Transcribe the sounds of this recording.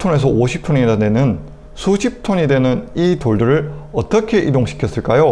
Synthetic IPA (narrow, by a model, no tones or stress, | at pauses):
tʰone̞s̬ʰʌoɕʰip̚tʰoniɾanwe̞nɯn | sʰuɕʰip̚tʰoɲidwe̞nɯnitoɭduɾɯɾʌt͈ʌkʰe̞ʔidoŋɕʰi̥kʰjʌs͈ɯɭk͈ajo